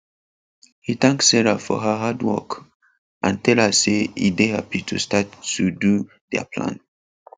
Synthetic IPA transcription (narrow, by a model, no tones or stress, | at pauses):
hiθãŋksːɛɹafɔ̰ɦəɦadwɔ̰k | ʔãntʰɛlhaseḭdehapitʰustatːudu | dɛ̰pʰlã̰n